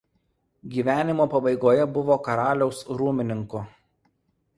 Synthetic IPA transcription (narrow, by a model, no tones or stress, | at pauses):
ɡʲiːʋʲæːnʲɪmoːpɐbɐɪɡoːjɛbʊʋoːkɐɾɑːlʲɛʊsɾuːmʲɪnʲɪŋkʊ